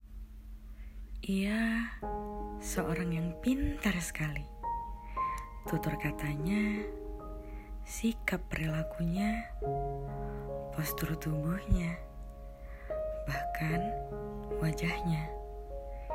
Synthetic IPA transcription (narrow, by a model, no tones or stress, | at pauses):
ʔija | səʔoɾaŋjaŋpint̪ərsə̥kali | t̪ut̪ʊrkat̪aɲa | sikapːəɾilakuɲa | pɔst̪uɾut̪umbuhɲa | bahkan | wad͡ʒahɲa